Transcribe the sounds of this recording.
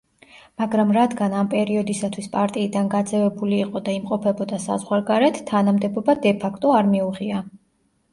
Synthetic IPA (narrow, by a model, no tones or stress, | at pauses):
maɡɾamɾad̪ɡanampʼɛɾiɔd̪isat̪ʰwispʼaɾt̪ʼiːd̪anɡad̪zɛvɛbuliːqʼɔd̪aimqʼɔpʰɛbɔd̪asa̰zʁwaɾɡaɾɛt̪ʰt̪ʰːanamd̪ɛbɔbad̪ɛpʰakʰt̪ʼɔaɾmiuʁia